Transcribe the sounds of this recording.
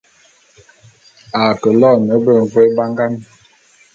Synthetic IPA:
a˨kə˨lɔː˦˨nə˨˦bə˨ɱ˨ve˦ba˦ŋɡa˦mi˨

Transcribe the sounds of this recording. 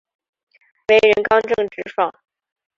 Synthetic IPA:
we˧˥ɪɻə˧˥nkɑ˥ŋʈ͡ʂɤ˥˩ŋʈ͡ʂɻ̩˥ʂɑ̰˥˩

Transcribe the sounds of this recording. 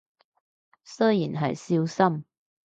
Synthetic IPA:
sɵ˥jḭ˨˩nɦɐ̰˨jsi˥wsɐ˥m

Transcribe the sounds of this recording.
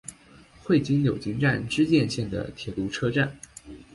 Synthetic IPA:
xwe˥˩ɪt͡ɕi˥ŋjo˨˩ʊt͡ɕi˥ŋʈ͡ʂa˥˧nʈ͡ʂɻ̩˥t͡ɕjɛ˥˧nɕjɛ˥˩nd̪ə̰˩t̪ʰjɛ˨˩t̪u˧˥ʈ͡ʂʰɤ˥ʈ͡ʂa˥˩n

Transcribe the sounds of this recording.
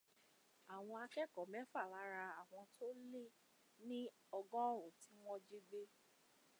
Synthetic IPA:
a˨w̃ɔ̃˧a˧kɛ˦˨kɔ˨mɛ̃˨˦fa˦˨la˨˦ɾa˧a˨w̃ɔ̃˧tʰo˦le˦˨ | nĩ˦ | ɔ˧ɡɔ̃˦ɔ˦˨ɾõ˨ti˨˦w̃ɔ̃˦d͡ʒi˦ɡ͡be˦

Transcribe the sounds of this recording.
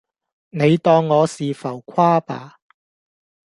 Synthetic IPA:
ne˨˧jt̪ɔː˧ŋːɔː˨˧siː˨fɐ˨˩wkʷʰwaː˥pa̰ː˨˧

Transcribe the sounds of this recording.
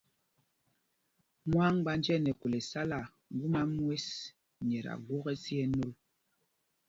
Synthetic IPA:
ŋwa˦ŋɡ͡ba˦nd͡ʒɛ˦˨nɛ˨ko˨le˨sa˦la˨ | ŋ̩˦ɡu˦ma˦mwe˦s | ɲɛ˨ɾa̰˨ɡwɔ˦ɣɛ˦si˦ɛ˦no˦l

